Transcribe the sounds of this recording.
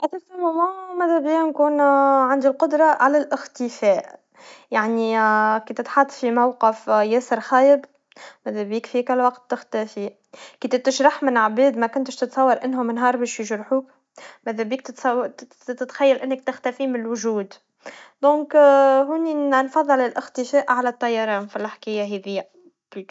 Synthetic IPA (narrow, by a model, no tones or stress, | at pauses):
ʔæt̪æfæmʊmumæðæbiːnkuːnʕand̪ilqʊd̪ɾˤɑʕalælʔɪxt̪ɪfæːʔ | jaʕnikiːt̪ɪt̪ħɑt̪ˤːfimawqɪfjæsəɾˤxæːjɪb | mæðæbiːkfikælːwɑqt̪ːɪxt̪æfi | kiːt̪t̪ːɪʃɾˤɑħmɪnʕbɛːd̪mækʊnt̪ʃt̪ɪt̪sˤɑwːɑɾˤʔɪnːhʊmɪnɦɑːɾˤbɛːʃjɪʒɾˤħuːk | mæðæbiːk̚t̪t̪sˤɑ | t̪ɪt̪xæjːælʔɪnːɪk̚t̪ɪxt̪æfimɪnlwʊʒuːd̪ | d̪̥õːkɦʊːninfɑðˤːɨlɪlʔɪxt̪ɪfæːʔʕalæt̪ˤːɑjːɑɾˤɑːnfilħkɪjːaɦɛðɪjːæ